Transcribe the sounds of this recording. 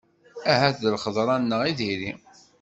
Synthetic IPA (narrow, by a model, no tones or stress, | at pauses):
æɦæθðəlχəðˤɾˤɑnːəʁiðiɾi